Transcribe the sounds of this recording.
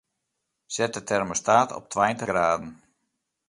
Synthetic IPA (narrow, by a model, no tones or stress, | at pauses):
sɛt̚ətʰɛrməstaːtʰɔ̰p̚tʰʋajəntəɡraːdən̩